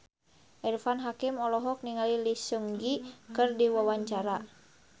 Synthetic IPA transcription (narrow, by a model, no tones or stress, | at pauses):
ʔɛrfanɦakimɔlɔɦɔk̚niŋalilisuŋɡikɨrdiwawaɲt͡ʃaɾa